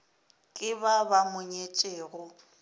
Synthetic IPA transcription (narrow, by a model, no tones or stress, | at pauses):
kʼɪbabamʊɲet͡ʃʼeːɣʊ